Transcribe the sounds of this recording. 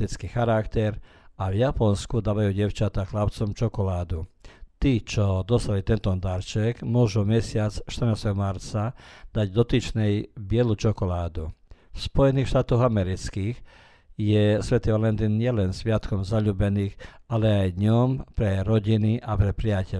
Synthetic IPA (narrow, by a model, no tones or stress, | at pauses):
it͡skixaɾakt̪ɛɾ | aʋjapɔnskud̪aːʋajuːɟɛʊt͡ʃat̪axlapt͡sɔmt͡ʃɔkɔlaːd̪ut̪iːt͡ʃɔd̪ɔst̪alit̪ɛnt̪ɔnd̪aɾt͡ʃɛɡmʊɔʒumɛsɪat͡sʃt̪ər̩naːst̪ɛɦɔmaɾt͡sad̪̥aɟd̪ɔt̪it͡ʃnɛjbɪɛlut͡ʃɔkɔlaːd̪ufspɔjɛniːxʃt̪aːt̪ɔɣamɛɾit͡skiːx | jɛsʋɛt̪iʋalɛnt̪inɲɪɛlɛnsʋɪat̪kɔmzaʎuːbɛniːɣalɛajd̪ɲɔmpɾɛɾɔɟiniʔapɾɛpɾiacɛ